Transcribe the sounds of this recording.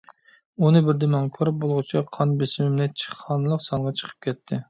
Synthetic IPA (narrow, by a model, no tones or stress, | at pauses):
unɨbɪɾd̪emɑŋkʲʰøɾp̚bolˠʁʊt͡ʃʰiqʰɑnbɪsɪmɪmnɪt͡ʃʰə̥χɑnɨlˠəqsɑŋʁɑt͡ʃʰə̥qʰə̥p̚kʲʰɛt̪ʰːɪ